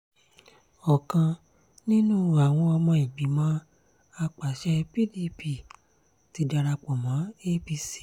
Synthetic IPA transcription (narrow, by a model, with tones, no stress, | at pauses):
ɔ˨kã˧ | nĩ˦nũ˦˨a˨w̃ɔ̃˧ɔ˧mã˧i˨ɡ͡bi˨˦mãː˨˦ | a˧k͡pa˨ʃɛ˦pi˦li˦pi˨ | ti˨˧˦da˧ɾa˧k͡pɔ˨mã˨˦e˦bi˧si̥˦